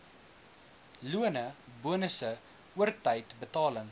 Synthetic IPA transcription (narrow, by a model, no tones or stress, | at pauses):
luənəbuənəsə | uərtɐjtbətɑːləŋ